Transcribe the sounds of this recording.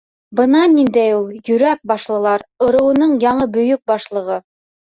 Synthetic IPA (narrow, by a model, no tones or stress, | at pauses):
bɤ̆nɑnind̪æjulˠjɵ̆ɾæk̚bɑʃlˠɤ̆lˠɑɾŏɾɤ̆wɤ̆nɤɴjɑɴɤbɵ̆jɵk̚bɑʃlˠɤ̆ʁɤ